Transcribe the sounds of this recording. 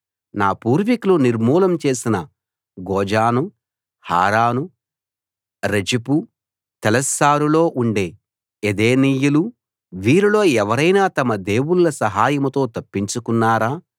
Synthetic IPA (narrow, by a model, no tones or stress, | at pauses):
naːpuːɾʋikuluniɾmuːlɐmt͡ʃe̞ːsinɐ | ɡɔːd͡ʒaːnu | ha̰ːɾaːnu | ɾɐd͡ʒipu | t̪ɛlɐsːaːɾulo̞ːʔuɳɖe̞ː | ed̪e̞ːniːjulu | ʋiːɾilo̞ːɛʋɐɾɐjnaːt̪ɐmɐd̪e̞ːwullɐsɐɦaːjɐmɐt̪o̞ːt̪ɐpːiɲt͡ʃukunːaːɾaː